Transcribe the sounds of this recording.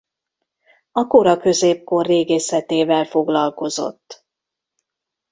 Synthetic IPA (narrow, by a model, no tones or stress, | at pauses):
ɒkoɾɒkø̞zeːp̚ko̞rːeːɡeːsɛt̪eːvɛlfo̞ɡlɒlko̞zo̞̰t̪ː